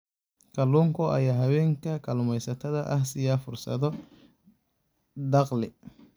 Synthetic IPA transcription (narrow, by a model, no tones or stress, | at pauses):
kʰɐluːŋkʰɔʔɐ̰jaːɦɐβɛːŋkʰɐkʰɐlʊmɛjsɐt̪ʰɐðɐʔɐhsɪjaːfʊrsɐ̰ðɔ | d̪ɑqlɪ